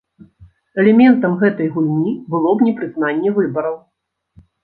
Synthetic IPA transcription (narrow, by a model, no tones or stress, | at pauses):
ɛlʲɛmʲɛnt̪ɐmɣɛt̪ɐjɣulʲnʲibɨlˠɔbnʲɛpɾɨznanʲːɛvɨbɐɾɐw